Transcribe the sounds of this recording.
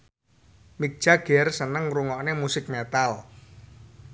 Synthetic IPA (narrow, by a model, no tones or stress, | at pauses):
mik̚d̥ʒ̥a̤ɡ̥ɛrsənəŋɾuŋɔʔnemusɪk̚met̪al